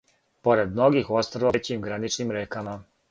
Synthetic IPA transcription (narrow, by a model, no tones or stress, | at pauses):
po̞ɾed̪mnoɡixost̪ɾoʋot͡ɕimɡɾanit͡ʂnimɾeːkama